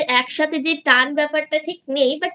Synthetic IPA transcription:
ɾɛkʃat̪ʰed͡ʑeʈanbɛpaɾʈaʈʰik̚nejba

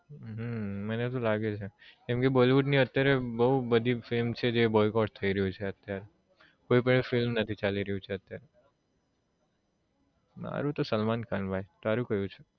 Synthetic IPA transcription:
ɦəmənet̪olaɡet͡ʃʰekẽmkeboliʋuʈniət̪jaɾebəɦubəd̪ʱifɪlmt͡ʃʰed͡ʒebɔjkɔʈt̪ʰəiɾəjũt͡ʃʰeət̪jaɾe | koːipəɳfɪlmnət̪ʰit͡ʃaliɾəjũt͡ʃʰeət̪jaɾe | ma̰ɾũt̪osəlmankʰanbʱajt̪aɾũkəɦjũt͡ʃʰe

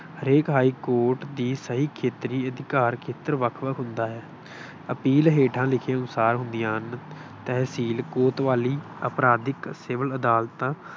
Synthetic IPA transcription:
ɦəɾeːkɦaːiːkoːɾʈd̪iːsəɦiːkʰeːt̪ɾiːəd̪ɪkaːɾkʰeːt̪əɾʋəkʰʋəkʰɦʊnd̪aːɦɛː | əpiːlɦeːʈʰãːlɪkʰeːənʊsaːɾɦʊnd̪ɪjãːɦənt̪ɛːsiːlkoːt̪ʋaːliː | əpɾaːd̪ɪksɪːʋələd̪aːlt̪ãː

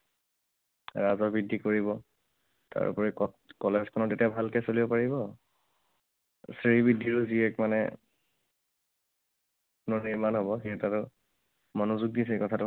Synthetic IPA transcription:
ɹazɔbidʱːikoɹibɔ | ta̰ɹpɔɹɛ | kɔlezkʰɔnɔtetijabʱalkɛsolibɔpaɹiβɔ | siɹibidʱːiɹʊziɛkmanɛ̰ | nɔniɹmanɦobɔxetatʊ | mɔnuzuk̚dis̬ɛkɔtʰatʊ

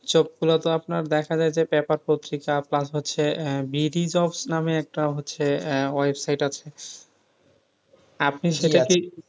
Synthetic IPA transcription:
t͡ɕop̚kulot̪oapnaɾd̪ɛkʰad͡ʑaed͡ʑepɛpaɾpot̪ːɾikaplasɦotːɕʰebiɾid͡ʑɔbsnameɛk̚ʈaɦotːɕʰewajbsajʈat͡ɕʰe | apniʃeʈaki

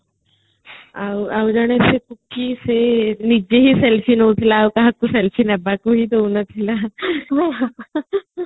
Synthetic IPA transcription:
awaːwd͡ʒaːɽesekʊkːisenid͡ʒeɦisɛlfʰinot̪ʰilaokaɦɐkusɛlfʰinɐbakoɦit̪ounɐt̪ʰila

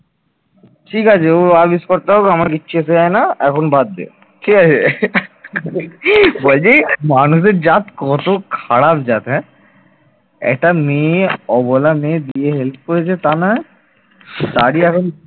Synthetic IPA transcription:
ʈʰikat͡ʃʰeoabiskɔɾt̪aɦokiamaɾkitːʃʰues̬eaenaɛkʰonbad̪̚ːḛ | ʈʰikat͡ɕʰe | bold͡ʑimanus̬ed͡ʑat̪kɔt̪okʰaɽapd͡ʑat̪ɦɛ̃ | ɛ̰k̚ʈameɔbɔlamed̪ieɦelp̚ʰkoɾet͡ɕʰet̪anaɦɛ | saɾiɛkʰon

